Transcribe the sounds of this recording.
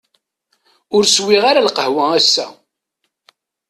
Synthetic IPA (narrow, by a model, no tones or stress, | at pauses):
ʊɾswiʁaɾalqəhwææsːæ̰